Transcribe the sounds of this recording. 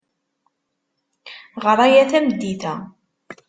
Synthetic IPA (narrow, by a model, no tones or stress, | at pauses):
ʁəɾˤɑjæθæməd̪ːiθæ